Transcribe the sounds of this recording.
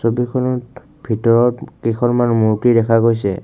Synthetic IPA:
sobikʰɔnɔ | bʱitɔɹɔtkikʰɔnmanmuɹtidɛkʰaɡojsɛ

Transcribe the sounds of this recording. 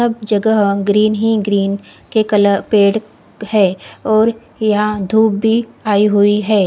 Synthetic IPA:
sɐbd͡ʒɐɡəɦõɡɾiːnɦiɡɾiːn | kekɐləpeːɽ | hɛːɔːɾ | jɐɦãd̪ʱuːbːiaːiɦʊiɦɛː

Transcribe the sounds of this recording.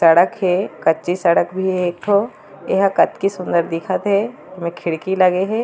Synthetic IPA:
sɐɽəkɦɛkɐtːʃisəɽəkbʱieːk̚ʈʰoː | eɦãkɐt̪kisʊ̃nd̪əɾd̪ɪkʰət̪ɦɛ | mẽkʰɪɽkilɐɡeɦɛ̃ː

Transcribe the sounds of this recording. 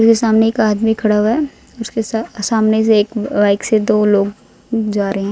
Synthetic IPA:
ʊskesaːmneekaːd̪mikʰɐɽaʋɦɛ | ɔʊskessaːmnes̬eːkʋaːɪksed̪oːloːɡ | d͡ʒaːɾɐɦeɦɛ̃ː

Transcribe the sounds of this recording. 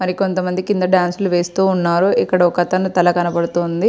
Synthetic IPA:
mɐɾiko̞nt̪ɐmɐnd̪ikind̪ɐɖaːnsluʋe̞ːst̪uːnːaːɾuikːɐɽɐɔkɐt̪ɐnut̪ɐlɐkɐnɐpɐɽut̪oːnd̪i

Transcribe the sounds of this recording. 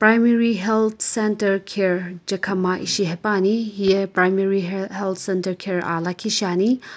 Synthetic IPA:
pɾajmeɾiɦelt̪ʰsentɐɾkʰeɾd͡ʒɐkʰɐmaʔḭsiɦepaniɦijepɾajmeɾiɦelt̪ʰsentɐɾkʰeɾa̰lakʰiʃani

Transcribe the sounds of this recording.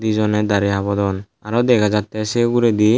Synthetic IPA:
d̪izɔnɛd̪aɾiɦabɔd̪ɔn | aɾɔd̪ɛkʰad͡ʒat̪ːɛseɡuɾɛd̪i

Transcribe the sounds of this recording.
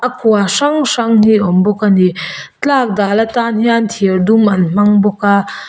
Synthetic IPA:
ʔɐkʰuaʂaŋʂaŋhiʔɔmbɔkani | t͡ɬak̚dalɐtanhiant̪ʰiɾdumɐnm̥aŋbɔka

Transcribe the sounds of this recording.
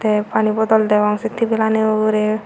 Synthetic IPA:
t̪epanibɔd̪ɔld̪ɛʋaŋsit̪ʰːibilaneoɡɾe

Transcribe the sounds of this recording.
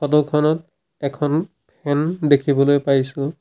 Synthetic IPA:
xɔdɔkʰɔnɔt | ɛkʰɔn | pʰɛndekʰibɔlojpajsʊ̃

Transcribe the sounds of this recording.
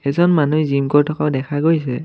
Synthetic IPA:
ɛzɔnmanuizimkɔɹtʰɔkaʊdɛkʰaɡojsɛ

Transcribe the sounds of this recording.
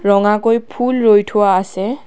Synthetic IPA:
ɹɔŋakojpʰulɹojtʰʊwaːsɛ

